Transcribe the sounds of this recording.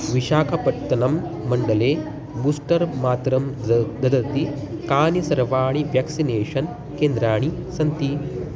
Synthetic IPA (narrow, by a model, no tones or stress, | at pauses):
ʋiʃaːkʰɐpɐʈt̪ːɐnɐmː | ɐɳɖɐleː | buːsʈɐɾmaːt̪ɾɐmd̪ɐd̪ɐt̪i | kaːnisɐɾʋaːɳ̃iʋjaːksineːʂɐn | keːnd̪ɾaːɳ̃i | sɐnt̪i